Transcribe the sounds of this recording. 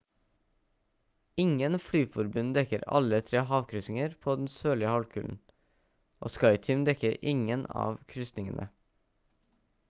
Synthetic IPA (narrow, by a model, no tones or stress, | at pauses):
ɪŋənflyːfɔɾbʉnd̪ɛkəɾɑ̰lət̪ʰɾeːhɑːʋkʰɾʏsɪŋəɾpʰoːd̪n̩søːlɪəhɑlkʰʉːln̩ | ʔo̰ːskɑɪt̪ʰʏmd̪ɛkəɾɪŋənɑ̰ːʋkʰɾʏsnɪŋənʔə̰